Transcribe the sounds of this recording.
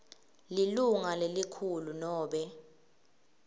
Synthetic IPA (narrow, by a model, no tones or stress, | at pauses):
liluŋalelikʰulunɔːɓɛ